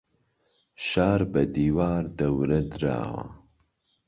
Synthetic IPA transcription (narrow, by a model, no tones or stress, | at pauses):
ʃaːɾbɐd̪iːwaːɾd̪ɐwɾɐd̪ɨɾa̰ːwa̰